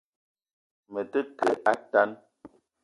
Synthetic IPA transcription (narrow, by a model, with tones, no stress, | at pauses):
mə˨tə˦kə˨ʔa˦ta˦n